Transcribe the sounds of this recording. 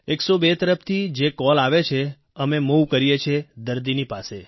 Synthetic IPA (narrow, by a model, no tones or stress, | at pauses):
eksobet̪əɾəft̪ʰid͡ʒekɔlaʋet͡ʃʰe | əmemuwkəɾijet͡ʃʰed̪əɾd̪inipase